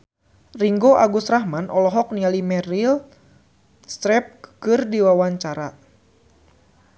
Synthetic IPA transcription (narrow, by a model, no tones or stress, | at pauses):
riŋɡoʔaɡusɾahmanʔɔlɔɦɔk̚nialimɛɾil | st̪ɾɛp̚kɨrdiwawaɲt͡ʃaɾa